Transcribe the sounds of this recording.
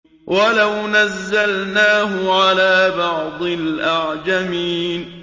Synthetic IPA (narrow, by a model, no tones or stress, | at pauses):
wʔalawnazːalnaːɦʊʕalaːbɑʕd̪ˤɨlʔaʕd͡ʒamiːn